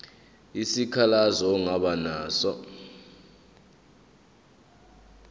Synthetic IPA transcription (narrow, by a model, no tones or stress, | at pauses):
isikʰalazɔːŋaɓanaːsɔ